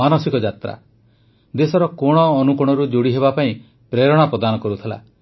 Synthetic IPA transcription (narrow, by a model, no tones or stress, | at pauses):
anɔsikɔd͡ʒat̪ɾa̰ | d̪esɔɾɔkoɽ̃ɔːnukuɽ̃ɔɾud͡ʒoɽiɦeβapaĩ | pɾeɾɔɽ̃apɾɔd̪anɔkɔɾut̪ʰela̰